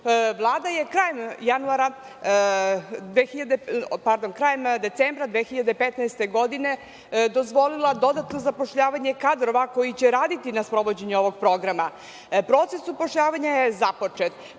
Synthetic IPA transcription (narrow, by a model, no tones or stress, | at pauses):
ʋlˠaːd̪ajekɾajemjanuaɾa | d̪ʋexiʎad̪epaɾd̪onkɾaːjemd̪et̪sembɾad̪ʋexiʎad̪epet̪naest̪e̞ɡo̞d̪ine | d̪ozʋo̞lilad̪o̞d̪at̪no̞zapo̞ʂʎaːʋaɲekad̪ɾo̞ʋako̞jit͡ɕeɾaːd̪it̪inaspɾo̞ʋo̞d͡ʑeɲuo̞ʋo̞ɡpɾo̞ɡɾama | pɾo̞ːt̪sesupo̞ʃʎaːʋaɲajezapo̞t͡ʂet̪